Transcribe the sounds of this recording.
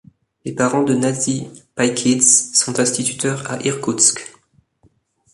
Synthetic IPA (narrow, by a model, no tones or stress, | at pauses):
lepaʁɑ̃d̪ənazipajkʲʰid̪ssɔ̃t̪ɛ̃st̪it̪yt̪œʁa̰ʔiʁkut̪sk